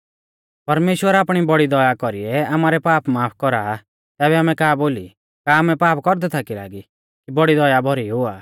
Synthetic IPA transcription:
pɐɾmeːʃwəɾaːpɽ̃ibɔɽid̪ɔjakɔɾiɛamaːɾɛpaːpmaːpʰkɔɾa | t̪ɛːβɛaːmɛkaːboːli | kaːmɛpaːpʰkɔɾd̪ɛt̪ʰakila̰ːɡi | kibɔɽid̪ɔjabʱɔɾiɦʊaː

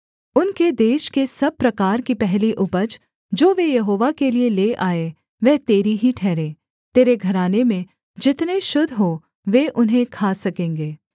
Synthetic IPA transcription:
ʊnked̪eːʃkesɐb̚pɾɐkaːɾkipɛɦliʔʊbəd͡ʒ | d͡ʒoːʋejɐɦoːʋakelieleːʔaːe | ʋɛːt̪eːɾiɦiʈʰɛːɾẽː | t̪eːɾeɡʱɐɾaːnemẽ | d͡ʒɪt̪neʃʊd̪ʱɦoː | ʋeːʔʊnɦẽkʰaːsɐkẽːŋɡeː

